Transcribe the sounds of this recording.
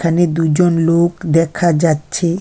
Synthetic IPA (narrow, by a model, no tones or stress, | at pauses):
kʰaned̪ud͡ʑonlokd̪ɛkʰad͡ʑatːɕʰe